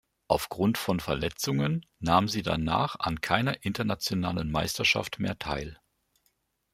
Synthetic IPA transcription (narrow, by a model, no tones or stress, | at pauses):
ʔaʊfɡ̥ʁʊntfɔnfɛɐlɛt͡sʊŋənːaːmziːda̰na̰ːχa̰nkʰaɪnɐʔɪntɐnat͡sjonaːlənma̰ɪstɐʃa̰ftmḛːɐtʰa̰ɪl